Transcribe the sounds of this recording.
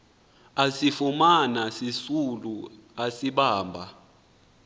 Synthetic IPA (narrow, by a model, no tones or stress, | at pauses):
asifumanasisuluasiɓaːmbʱa